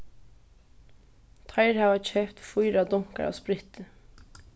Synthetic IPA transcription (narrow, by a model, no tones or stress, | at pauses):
t̪ʰɑɪɾhɑːʋɑc͡çʰœːpt̪fʊɪɾɑd̪ʊŋkə̰ɹɑ̰ːspɾɪt̪ə